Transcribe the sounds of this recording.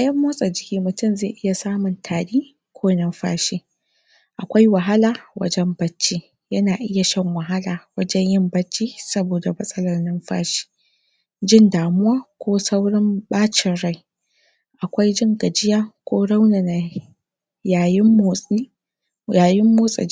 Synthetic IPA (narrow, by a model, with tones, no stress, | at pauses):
ʔa˨jɐ˦mːoː˦sʼɐ˨d͡ʒɪ˦kʲiː˦mʊ˨tʊ˦˨mze˦˨ʔɪ˦ja˨saː˦mʊ˨ntʰaː˨ɽiː˦ | kʷʰoː˦nɐ˦mɸa̰ː˦ʃiː˦ | ʔa˨kʷa˦jwɐ˨ɦa˦laː˨wʔɐ̰˦d͡ʒɛ˦mbɐ˦t͡ʃːiː˦ | jɐ˦naː˨ʔɪ˦ja˨ʃɐ˦ŋwɐ˨ɦa˦laː˨wɐ˦d͡ʒɛ˦ɲjɪ˦mbɐ˦t͡ʃːiː˦sɐ˦boː˨da˨mɐ˦sʼɐ˦lɐ˨rnɪ˦mɸa̰ː˦ʃi̥ː˦ | d͡ʒɪ˦ndaː˨mʊ˦waː˦kʷoː˦sa˦wɽɪ˦mbaː˦t͡ʃɪ˨nɽa˦˨j | ʔa˨kʷa˦jd͡ʒɪ˦ŋɡɐ˨d͡ʒɪ˦jaː˦kʷoː˦ɽa˦wna˨na˨ | jaː˨jɪ˦mːo˨i˦ | jaː˨jɪ˦mːoː˦sʼa̰˨